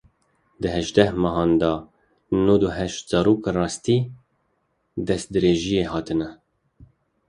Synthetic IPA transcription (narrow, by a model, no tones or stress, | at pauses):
d̪əɦɛʒd̪ɛhmɑɦɑːnd̪ɑ | nud̪uɦɛʃt̪zɑːɾoːkrɑːst̪i | d̪ɛst̪̚d̪ɨɾeːʒijeːɦɑːt̪ʰɨnɛ